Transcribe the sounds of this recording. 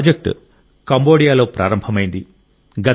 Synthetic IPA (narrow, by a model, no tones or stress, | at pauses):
d͡ʒɐk̚ʈ | kɐmbo̞ːɽijaːlo̞ːpɾʔaːɾɐmbʱɐmɐjind̪i | ɡɐ